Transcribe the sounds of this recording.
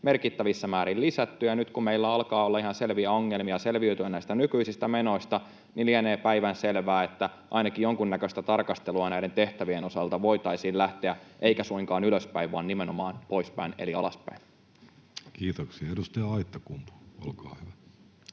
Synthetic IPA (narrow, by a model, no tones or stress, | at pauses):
me̞rkit̪ːæʋisːæmæːɾillisæt̪ːyjɑnyt̪kummeilːæɑlkɑːolːɑihɑnselʋiæoŋːe̞lmiɑse̞lʋiøyt̪yænæist̪ænykyisist̪æmeno̞ist̪ɑ | nilieneːpæiʋænselʋæːet̪ːæ | ʔɑinɑkijjoŋkunːækøst̪æt̪ɑrkɑst̪eluɑnæide̞nt̪eht̪æʋieno̞sɑlt̪ɑʋo̞it̪ɑisiːllæht̪eæʔeikæsuiŋkɑːnyløspæiʋʋɑ̰nnimenomɑːnpo̞ispæ̰inḛliɑlɑspæ̰in | kiːt̪oksiɑedust̪ɑjɑɑit̪ːɑkumpu̥olkɑːhyʋæ